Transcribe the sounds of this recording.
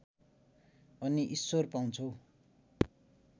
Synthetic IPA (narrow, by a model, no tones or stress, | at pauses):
ʌniʔisːorpaw̃nt͡sʰʌw